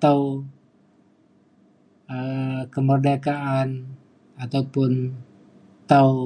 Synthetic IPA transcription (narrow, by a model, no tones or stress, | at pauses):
t̪au | əkəmərdakaʔan | at̪aupʊn | t̪au